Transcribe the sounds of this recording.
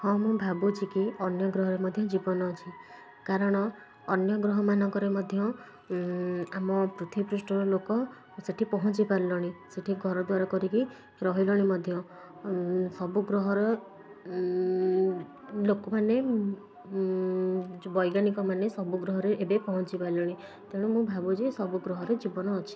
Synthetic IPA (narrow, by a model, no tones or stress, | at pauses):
hɔmũbʱabut͡ʃʰikiɔnjɔɡɾɔɦɔɾemɔd̪ʱjɔd͡ʒibɔnɔt͡ʃʰi | kaɾɔɽ̃ɔː | njɔɡɾɔɦɔmanɔŋkɔɾemɔd̪ʱjɔ | amɔpɾut̪ʰwipɾusʈɔɾɔlokɔ | seʈʰipɔɦɔt͡ʃipaɾilɔɽ̃iseʈʰiɡʱɔɾɔd̪waɾɔkɔɾiki | ɾɔɦilɔɽ̃imɔd̪ʱjɔ | sɔbuɡɾɔɦɔɾɔ | lokɔmane | bɔjɡanikɔmanesɔbuɡɾɔɦɔɾeʔebepɔɦɔt͡ʃipaɾlɔɽ̃i | t̪eɽ̃umũbʱabud͡ʒesɔbuɡɾɔɦɔɾed͡ʒibɔnɔːt͡ʃʰi̥